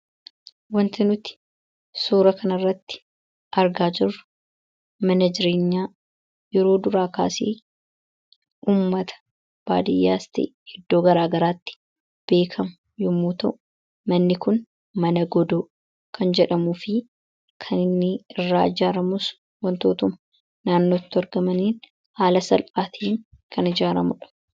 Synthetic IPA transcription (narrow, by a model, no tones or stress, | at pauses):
wɐnt̪ɪnʊt̪ɪ̥ | suːɾɐkɐnɐrːɐt̪ːɪ̥ | ʔɐɾɡaːd͡ʒɪrːɐ | mɐnɐd͡ʒɪɾeːɲːaː | jɛɾo̞ːd̪ʊɾaːka̰ːsḛː | uːmːɐt̪ɐ̥ | b̥aːd̪ɪjːaːst̪ḛː | ɪd̪ːo̞ːɡɐɾaːɡɐɾaːt̪ːɪ̥ | b̥e̞ːkʰɐmʊ | jʊmːuːt̪ɐʔʊ | mɐnːɪkʊn | mɐnɐɡɔd̪oː | kʰɐnd͡ʒɛᶑɐmuːfɪ | kʰɐnɪnːɪɪrːaːɪd͡ʒaːɾɐmʊs | wɐnt̪o̞ːt̪ʊmɐ | naːnːo̞ːt̪ːʊɐɾɡɐmɐniːn | haːlɐsɐlʔaːt̪ʰiːŋ | kʰɐnɪd͡ʒaːɾɐmʊᶑɐ̥